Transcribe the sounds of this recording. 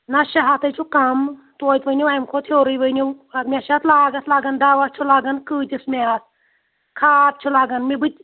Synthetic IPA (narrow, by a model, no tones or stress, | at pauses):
nɐʃɐɦat̪ɐt͡ʃʰukɐm | t̪oːt̪ʲʋənʲiʋajmkʰot̪ʰoːɾɨjʋəniwɐmʲaʃat̪ʰlaːɡɐt̪ʰlaːɡɐnd̪aːʋɐt̪t͡ʃʰulaːɡɐnkɨːt̪ʲismʲaat̪̚ʰ | kʰaːt̪̚t͡ʃʰulaːɡɐnmibɨt̪̚ʲ